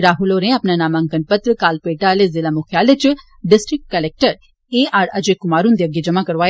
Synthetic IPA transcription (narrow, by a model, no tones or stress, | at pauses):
ɾaːɦuloːɾẽɐpnanaːmaŋkənpɐt̪ɾkaːlpeːʈaːlezɪlamʊkʰjaːlet͡ʃ | ɖɪsʈɾɪk̚ʈkɐlek̚ʈəɾ | eːaːɾɐd͡ʒekʊmaːɾund̪iɐɡed͡ʒɐmakɐɾʋaː